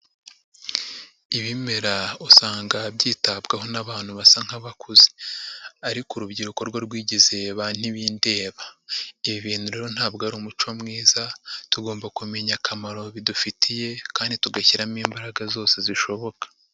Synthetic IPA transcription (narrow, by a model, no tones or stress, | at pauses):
iβime̞ɾausaːŋɡabɟiːtabɡaho̞naβaːn̥huβasaŋ̥haβakʰuzi̥ | aɾikuɾubɟiɾuko̞ɾɡwaɾɡwiːɟize̞βan̥iβiːnde̞ːβaiβiβiːn̥huɾeɾon̥haːb̚ɡaɾuːmut͡ʃomŋiːzatuɡo̞ːmbakume̞ɲakʰamaɾo̞βidufitʰije̞kaːndituɡaçiɾamiːmbaɾaɡazo̞ːse̞ziʃo̞βo̞kḁ